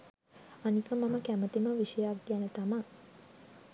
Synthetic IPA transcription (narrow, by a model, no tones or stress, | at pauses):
anikəmaməkæmət̪iməʋiʃəjak̚ɡanət̪ama